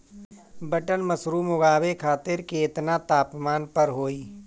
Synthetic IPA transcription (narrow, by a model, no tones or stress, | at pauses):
bəʈənməsɾuːmʊɡaːʋekʰaːt̪ɪɾkeɪt̪nat̪aːpmaːnpəɾɦoːiː